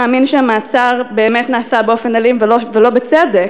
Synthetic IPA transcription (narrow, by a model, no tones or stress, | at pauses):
aːminʃeamaːt͡saʁbeːmetnaːsabeo̞fenalimvelovelo̞bet͡sedek